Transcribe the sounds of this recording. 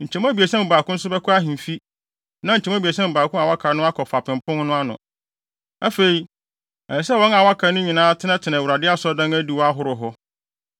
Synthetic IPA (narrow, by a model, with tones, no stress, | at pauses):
ɲ̩˨t͡ɕʰɛ̃˨m˦a˦bi˨e˨sɛ̃˦m˨baː˨kʊ̃˦n̩˦sʊ˦bɛ˦kʰʊ˦a˦ɦĩ˨fi˦ | nã˦ɲ̩˨t͡ɕʰɛ˨m˦ã˦bi˨e˨s̬ɛ̃˦m̩˨baː˨kʊ̃˦a˨wa˦kʰa˨nʊ̃˦a˦kʰɔ˨fa˨pɪ̃˨mpʰʊ̃˦n˦nʊ̃˦a˦nʊ̰̃˨ | æ˦fe˨ɾi˨ | ɛ˨sɛ˦wɔ̃˨˦na˨wa˦kʰa˨nʊ̃˦ɲĩ˨nãː˦tʰɪ˦nã˦tʰɪ˨nã˨wu˨ɾa˨dɪ˦a˦sɔ˦dã˦næ˦di˦˨wɔ˦a˦ɦʊ˦ɾʊ˨ɦɔ˦